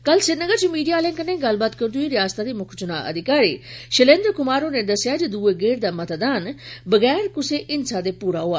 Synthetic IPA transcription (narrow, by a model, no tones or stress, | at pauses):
kəlsɪɾnəɡəɾt͡ʃimiːɖijaːlɛ̃ːŋkənẽɡɐl̤baːt̪kəɾd̪uiɾɪjaːst̪ad̪imʊkʰt͡ʃʊna̰ʔə̰d̪ʱɪkaːɾiʃəlẽːnd̪əɾkʊmaːɾoned̪ɐsɪjad͡ʒid̪uːeɡeːɾd̪aːmɐt̪d̪aːnbəɡɛːɾkʊseʔɪnsad̪epuːɾaɦoaː